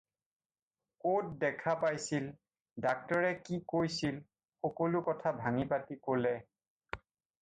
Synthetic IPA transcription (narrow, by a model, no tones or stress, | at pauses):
kot̚dɛkʰapajsil | dak̚tɔɹɛkikojsil | xɔkolʊkɔtʰabʱaŋipatikolɛ